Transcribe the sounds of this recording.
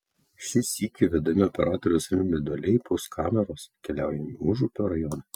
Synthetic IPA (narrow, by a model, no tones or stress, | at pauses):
ʃʲɪsʲiːkʲɪʋʲɛd̪ɐmʲɪɔpʲɛɾɑːt̪ɔɾʲɛʊsɾʲɪmʲɛd̪ɔlʲɛɪposkʰɑːmʲɛɾoːskʲɛlʲæˑʊjɛmʲiuʒupʲoːɾɐjɔnɐ